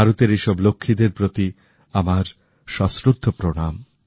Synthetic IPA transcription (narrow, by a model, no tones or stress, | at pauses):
aɾut̪eɾeʃɔblokʰːid̪eɾpɾot̪i | amaɾ | ʃɔsɾud̪ʱːopɾoɽ̃am